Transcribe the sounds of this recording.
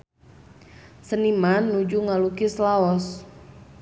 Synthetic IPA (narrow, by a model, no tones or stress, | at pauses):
sənimanːud͡ʒuŋalukislaɔs